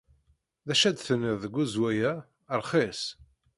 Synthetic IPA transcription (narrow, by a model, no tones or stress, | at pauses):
ðæʃæd̪θənːɪððəɡʷːuzwæjæ | ɾˤχis